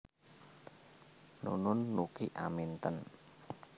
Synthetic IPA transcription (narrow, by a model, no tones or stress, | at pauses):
nṵnʊnːukiʔa̰mint̪ən